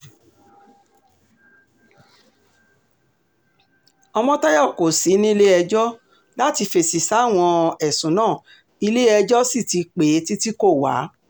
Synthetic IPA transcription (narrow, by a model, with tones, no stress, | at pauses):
ɔ˧mɔ̃˦tɔ˦jɔ˦˨ko˨si˨˦nĩ˦i˧le˦ɛ˧d͡ʒɔ˦ | la˦ti˧fe˨si˨sa˨˦˨w̃ɔ̃˧ɛ˨sũ˨˦nãː˦˨ | i˧le˦ɛ˧d͡ʒɔ˦si˦˨ti˨˧k͡pe˨˦ti˦ti˦ko˦˨wa̰˨˦